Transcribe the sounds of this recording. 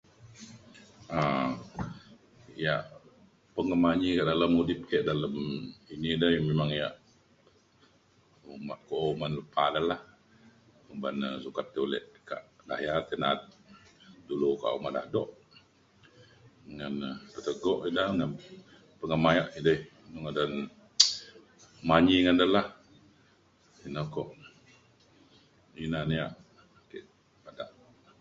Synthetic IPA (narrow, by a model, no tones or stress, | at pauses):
a | ijaʔ | pəŋəmaɲikaʔdaləmudip̚kəʔdaləminidəhjmemaŋijaʔ | umaʔkoʔumanləpadəlah | kubanəsukat̪ːiulɛ̰ʔka̰ʔda̰jart̪ɛnat̪̚ | duluka̰ʔumaʔdahdɔʔ | ŋant̪ət̪əɡɔʔidaŋan | pəŋamajaʔidəh | nuŋadan | maɲiŋandəlah | inakɔʔ | inanijaʔ | kḛʔ | padaʔ